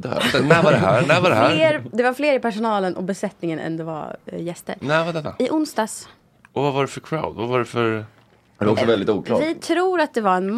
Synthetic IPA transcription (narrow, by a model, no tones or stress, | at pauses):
d̪ɛ̰ɛnɛvadɛɦæːɾnæɪvad̪ɛɦæɾeːɾd̪ɛvaɾfleːɾɪpæʂʊnɑːlənʔɔ̰bɛsɛt̪nɪŋənʔɛ̰nd̪ɛva̰ɾjɛst̪ə̰ɾnɛɪvad̪ɛnːa̰ɪʔʊnsd̪ɑːs | ɔvavaɖɛfœɾkʰɾa̰ʊd̪vavaɖɛfœɾ | ɾɔksɔvɛld̪ɪt̪uːklɑvɪt̪ʰɾuːɾat̪̚d̪ɛvaɾɛnm